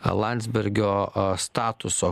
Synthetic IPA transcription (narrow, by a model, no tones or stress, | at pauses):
lˠɑnʲd̪zʲbʲɛɾʲɡʲoːst̪ɑːt̪ʊsoː